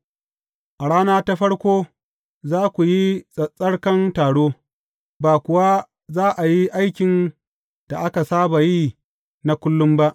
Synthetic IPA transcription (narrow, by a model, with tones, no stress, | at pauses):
ʔa˨ɽaː˦naː˦ta˦ɸɐ˦ɽkʷoː˦ | zaː˦kʷu˨ji˦sʼɐ˨sʼɐ˦ɽkɐ˦ntaː˨ɽoː˦ | baː˨kʷʊ˨wa˦ | zaː˦ʔa˨ji˦ʔa˦jkʲɪ˨n | d̥a˨ʔa˦ka˨saː˦ba˨ji˦ | na˦kʷʊ˦lːʊ˦mba˦ʔ